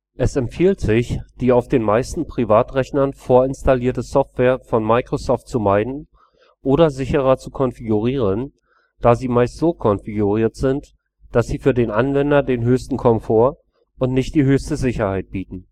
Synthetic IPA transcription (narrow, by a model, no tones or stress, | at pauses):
ʔɛsɛmfiːltz̥ɪçd̥iːaʊfd̥eːnmaɪstn̩pʁ̥ivaːtʁɛçnɐnfoːɐɪnstaliːɐtəsɔftv̥ɛːɐfɔnmaɪkʁ̥osɔːftt͡sumaɪdn̩ | ʔoːɾɐzɪçəʁ̞ɐt͡sukʰɔnfiɡuʁiːʁ̞ən | d̥aːziːmaɪstz̥oːkʰɔnfiɡuʁiːɐtz̥ɪnt | d̥asz̥iːfyːɐdeːnʔanvɛndɐdeːnɦøːçstn̩kʰɔmfoːɐ | ʊntnɪçt̚d̥iːɦøːçstəzɪçɐhaɪt̚b̥iːtn̩